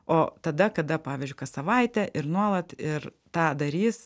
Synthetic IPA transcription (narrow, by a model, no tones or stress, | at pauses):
oːt̪ɐd̪ɐkɐd̪ɐpɑːʋʲiːzʲd͡ʒʲʊɪkɐsɐʋɐɪt̪ʲɛʔɪɾnuɔlˠɐt̪ɪɾ | t̪ɑːd̪ɐɾʲiːs